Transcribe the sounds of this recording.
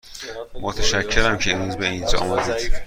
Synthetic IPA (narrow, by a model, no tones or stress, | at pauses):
mot̪ʰæʃæcʰːeɾæmcʰeemɾuːzbeind͡ʒ̰ɒ̰ːmæd̪iːd̪̥